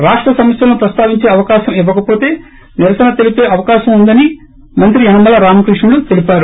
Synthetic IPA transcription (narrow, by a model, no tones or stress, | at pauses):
ɾaːʂʈɾɐsɐmɐsjɐlɐnupɾɐst̪aːʋiɲt͡ʃe̞ːɐʋɐkaːʃɐmiʋːɐkɐpo̞ːt̪e̞ː | niɾɐsɐnɐt̪e̞lipe̞ːʔɐʋɐkaːʃɐmund̪ɐni | mɐnt̪ɾiɐnɐmɐlɐɾaːmɐkɾiʂɳɐɽut̪e̞lipaːɾu